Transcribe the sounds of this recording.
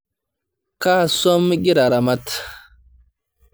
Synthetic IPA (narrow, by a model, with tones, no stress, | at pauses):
ka˦˨sɔ˦mɡi˦ɾa˨ɾa˨ma˦t